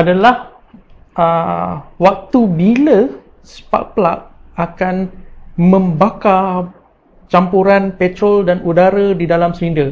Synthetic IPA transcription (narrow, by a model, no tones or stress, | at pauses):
ʔadalah | ʔəwak̚t̪ubilə | spa̰k̚plak̚ | akanmə̃mbaka | t͡ʃampuɾanpɛt̪ɾɔldanudaɾədidalamsɾində